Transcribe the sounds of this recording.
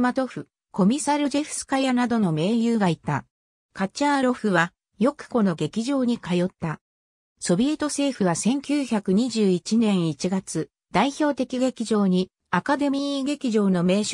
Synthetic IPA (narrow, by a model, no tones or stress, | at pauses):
mat̪o̞ɸɯ̟ | ko̞mʲisaɾɯʑeɸɯ̟̥sɨ̥kajanad̪o̞no̞me̞ːjɯːɡait̪a | kat͡ɕaːɾo̞ɸɯ̟βa | jo̞kɯ̟̥ko̞no̞ɡe̞kʲiʑo̞ːɲ̟ikajo̞t̪ːa | so̞bʲie̞t̪o̞se̞ːɸɯ̟βasẽ̞ŋkʲɨːçakɯ̟ɲ̟iʑɨːit͡ɕinẽ̞ɰ̃it͡ɕiɡat͡sɨ | d̪̥aiço̞ːt̪e̞kʲiɡe̞kʲiʑo̞ːɲ̟i | akad̪e̞mʲiːɡe̞kʲiʑo̞ːno̞me̞ːɕ